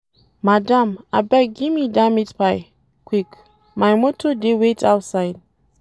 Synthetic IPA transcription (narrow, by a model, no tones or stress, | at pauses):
madãmabɛk̚ɡimidamitpaj | kwik | majmotʰodewetʰaʊtsaɪd̚